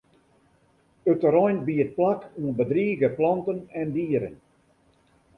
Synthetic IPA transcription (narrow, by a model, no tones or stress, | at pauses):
ətəɾɔjnbiət̚plakuənbədriːɡəplɔntənɛndiəɾə̰n